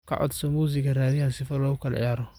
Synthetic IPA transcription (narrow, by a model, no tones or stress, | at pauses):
kʰɐ̰ʔɔ̰d̪sɔmuːs̬ɪkɐraːðɪhɐsɪfɐlɔːɣʊkʰɐlɛ̰ʕɪ̰jaːɾɔ